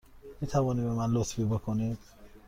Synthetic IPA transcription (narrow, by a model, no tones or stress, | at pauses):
mit̪ʰævɒːnibemænlot̪fibekʰoni̥